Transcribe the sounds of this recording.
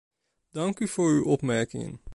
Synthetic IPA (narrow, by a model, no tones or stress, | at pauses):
dɑŋkyv̥oːɹywʔɔpmɛɹkɪŋə̰n